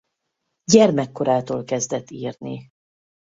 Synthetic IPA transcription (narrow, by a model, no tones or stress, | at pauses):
ɟɛrmɛkːo̞ɾaːt̪oːlkɛzd̪ɛt̪ːiːrni